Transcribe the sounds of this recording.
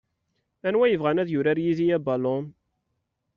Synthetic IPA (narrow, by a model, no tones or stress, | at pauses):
ænwæjəvʁænæðjʊɾæɾjizijæbɑlon